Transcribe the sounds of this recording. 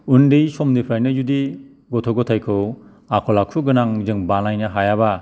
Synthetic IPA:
undijsɔmdipʰɾajnɯzudi | ɡɔtʰɔɡɔtʰajkʰɯw | akʰɔlakʰuɡɯnaŋzɯŋbanajnɯɦajaba

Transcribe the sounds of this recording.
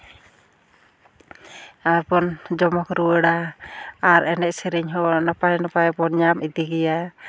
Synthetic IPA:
ajpɔnd͡ʒɔmɔkɾuwɛɽa | aɾɛnɛc̚sɛɾɛɲɦɔɔnapajnapajpɔnɲamid̪iɡɛja

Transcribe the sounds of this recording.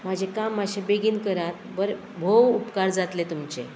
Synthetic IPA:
mad͡ʑʱekamːaɕebeɡiːnkəɾat̪̚bəɾ | bʱowupkaɾd͡zat̪let̪umt͡ɕḛ

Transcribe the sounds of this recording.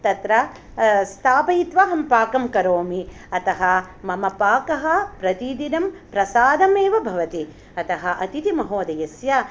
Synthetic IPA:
t̪ɐt̪ɾɐ | st̪ʰaːpɐjit̪ʋaɦɐmpaːkɐmkɐɾoːmi | ɐt̪ɐɦɐ̆mɐmɐpaːkɐɦɐpɾɐt̪id̪inɐmpɾɐsaːd̪ɐmeːʋɐbʱɐʋɐt̪i | ɐt̪ɐɦɐʔɐt̪it̪imɐɦoːd̪ɐjɐsja

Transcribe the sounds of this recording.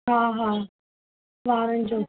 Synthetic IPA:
ɦaːɦaː | ʋaːɾənɪd͡ʑoː

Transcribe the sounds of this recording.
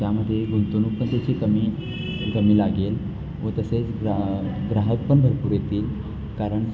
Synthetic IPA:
jaməd̪ʱːjeɡunt̪onuːk̚pəɳt̪et͡ɕiːkəmiː | ɡəmiːlaɡel | ʋət̪əset͡s | ɡɾaɦək̚pəɳbʱəɾpuːɾjet̪iːl | kaɾəɳ

